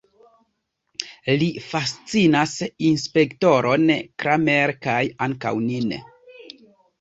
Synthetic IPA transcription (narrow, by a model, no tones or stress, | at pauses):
lifast͡sinasinspe̞kto̞ɾʔo̞nkɾʔameɾkajaŋka̰wnin